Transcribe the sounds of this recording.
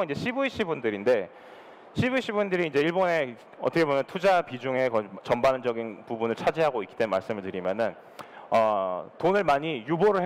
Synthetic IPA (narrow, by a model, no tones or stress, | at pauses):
ind͡ʑe̞ɕʰibuiɕʰibundɯɾinde̞ | ɕʰibuiɕʰibundɯɾiːnd͡ʑe̞iɭbone̞ | ʌ̰t͈ʰʌkʰeomjʌntʰud͡ʑapid͡ʑuŋe̞kʌt͡ɕʌmbanɯnd͡ʑʌɡinpubunɯɭt͡ɕʰad͡ʑiɦaɡoikit͈enma̰ɭs͈ɯmɯɭtɯɾimjʌnɯn | ʌtonɯɭmaɲijuboɾɯɭ